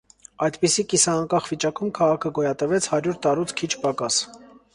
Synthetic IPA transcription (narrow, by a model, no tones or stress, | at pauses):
ɑjd̪pisikisɑːŋkɑχvit͡ʃɑkumkʰɑʁɑkʰəɡɔjɑt̪əvɛt͡sʰhɑɾjuɾt̪ɑɾut͡sʰkʰit͡ʃʰpɑkɑs